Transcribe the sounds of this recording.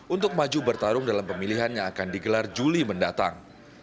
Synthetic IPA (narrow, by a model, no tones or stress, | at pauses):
ʔunt̪ʊk̚mad͡ʒubərt̪aɾʊŋdalampəmiliɦanjaakandiɡəlard͡ʒuliməndat̪a̰ŋ